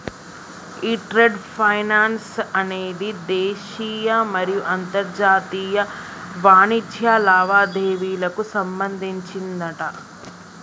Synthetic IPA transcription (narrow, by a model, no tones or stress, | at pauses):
iːʈɾeɖpʰɐjnaːnsɐneːd̪id̪eːʃiːjɐmɐɾijuʔɐnt̪ɐɾd͡ʒaːt̪iːjɐʋaːnit̪ʰjaːlaːʋaːd̪eːʋiːlɐkusɐmbɐnd̪ʱiɲt͡ʃind̪ɐʈɐ